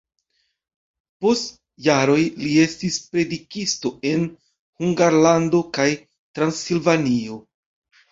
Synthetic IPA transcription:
po̞st | jaɾo̞jlie̞stispɾe̞dikisto̞e̞n | huŋɡaɾlando̞kaj | tɾansilvanio̞

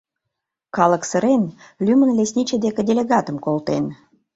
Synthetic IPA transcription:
kɑləksə̆ɾenlʲymənlesʲnʲit͡ɕed̪ekə̆dʲelʲeɣɑt̪əmkolt̪ḛn

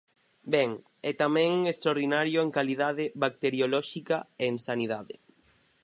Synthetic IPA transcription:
bɛŋ | ɛt̪amɛ̃ŋest̪ɾaoɾðinaɾjʊeŋkaliðaðɪβak̚t̪eɾjolɔʃikaensanið̞aðɪ̰

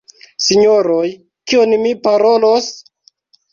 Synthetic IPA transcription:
siɲoɾoj | kionmipaɾolos

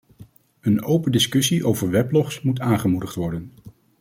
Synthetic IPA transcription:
ənowpəndɪskɵsiʔowvəɹʋɛplɔχsmutaːnχəmudəχtʋɔɹdən

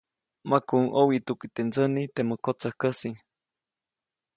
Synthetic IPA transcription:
makuŋʔowit̪ukit̪end͡zənit̪eməkot͡sahkəsi

